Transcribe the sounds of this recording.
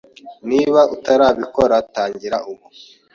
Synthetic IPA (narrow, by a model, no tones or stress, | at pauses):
niːβautaɾaːβikoɾataːɲɟiɾaʔuβu